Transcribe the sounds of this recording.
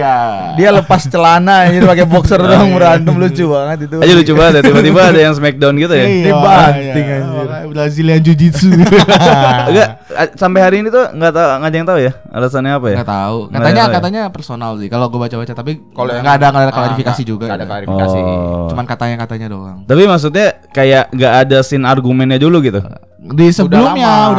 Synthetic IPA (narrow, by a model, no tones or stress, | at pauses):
a | dialəpast͡ʃəlanad͡ʒd̪pakebɔksərdoaŋbəɾant̪əmlʊt͡ʃubaŋət̪̚it̪uad͡ʒalut͡ʃubaŋət̪jat̪ibaibaːtdajaŋsəmɛk̚danɡit̪ujadibant̪ɪŋad͡ʒʊbasiliand͡ʒud͡ʒisu | ɡa | asampeɦaɾiːnit̪uŋɡat̪aŋad͡ʒaŋt̪auja | a̰lasanɲaapajaɡat̪auŋataaɲakat̪aɲapərsonalsɪkaloɡuabat͡ʃabat͡ʃat̪apikalŋɡaːdaklaklaɾifikasid͡ʒuɡaaklaɾifiɔa̰it͡ʃumankat̪aɲakat̪aɲado̰ɾaŋt̪apimaks̬ut̪̚ɲakajaʔŋɡaʔːdasɪnarɡumɛnɲaduluɡit̪u | disəbəlʊmja